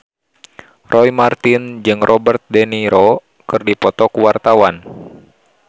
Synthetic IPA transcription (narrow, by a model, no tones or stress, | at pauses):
rɔjmart̪ind͡ʒɨŋrʔɔbərt̪̚dɛniɾɔ | kɨrdipɔt̪ɔkuwart̪awan